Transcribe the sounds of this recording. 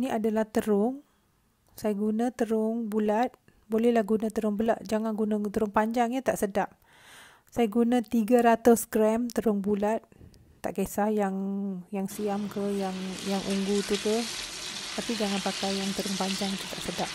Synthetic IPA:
niʔadalaht̪əɾʊŋ | sajaɡunãt̪əɾʊŋbulat̪̚ | bolɛhlahɡunãt̪əɾʊŋbəlaʔd͡ʒaŋanɡunə̃t̪əɾʊŋpaɲd͡ʒaŋɲət̪aʔsədap̚ | sajaɡunãt̪iɡaɾat̪ʊskɾɛmt̪əɾʊŋbulat̪̚ | t̪a̰ʔkesahjaŋjaŋsiamkəjaŋjaŋʔuŋɡut̪ukə | t̪apid͡ʒaŋanpakajjaŋt̪əɾʊŋpaɲd͡ʒaŋt̪ut̪aʔsədap̚

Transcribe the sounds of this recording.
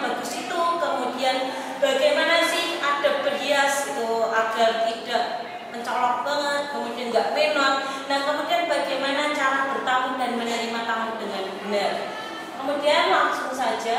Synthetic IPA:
baɡʊsit̪ukəmudian | b̥aɡajmanasɪhad̥a̤b̥əriasit̪uaɡ̥art̪id̥aʔ | məɲt͡ʃɔlɔk̚b̥aŋət̪̚kəmudianɡaʔmenɔnnahkəmudianbaɡajmanat͡ʃaɾab̥ərt̪amʊndanmənəɾimat̪amʊndəŋanbənər | kəmudianlaŋsʊŋsad͡ʒa

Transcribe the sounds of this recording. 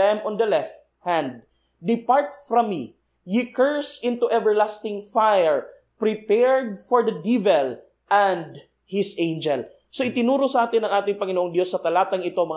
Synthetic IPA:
ɛmɔ̃nd̪ɐlɛft̪hãnd̪̚ː | ɪpaɹt̪̚fɾɐmːi | jikɛɹsɪ̃nt̪uʔɛvɛɹlast̪ɪŋfajɛɹ | pɾɪpɛɹd̪̚foɹd̪ɐd̪ivɛl | ʔɛ̃nd̪ | hɪsẽjnd͡ʒɛl | soʔɪt̪ɪnuːɾosɐʔaːt̪ɪnɐŋʔaːt̪ɪŋpɐŋɪnoʔoŋd̪jo̞sːɐt̪ɐlaːt̪ɐŋɪt̪omɐ

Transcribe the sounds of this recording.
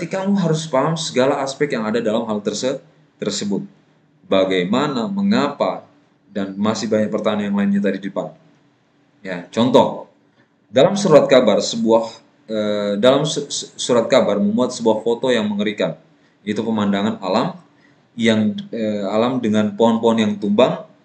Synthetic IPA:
kət̪ikamuɦaɾʊspaɦamsəɡalaːspɛk̚t̪jaŋadadalamɦalt̪ərsə | t̪ərsəbʊt̪̚ | baɡajmanaməŋapa | danmasɪhbaɲak̚pərt̪ananjaŋlaɪnɲat̪adidpan | jat͡ʃɔnt̪ɔh | dalamsəɾuɾat̪̚kabarsəbuah | ədalamsuɾat̪̚kabarməmuat̪̚səbuahfot̪ojaŋməŋəɾikan | it̪upəmandaŋanalam | jaŋəalamdəŋanpoɦɔnpɔɔnjaŋt̪umbaŋ

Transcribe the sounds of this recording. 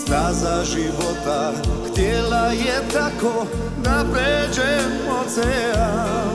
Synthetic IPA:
st̪azaʒiʋɔt̪a | xt̪ɪɛlajɛt̪akɔ | napɾɛd͡ʒɛ | mɔt͡sɛa

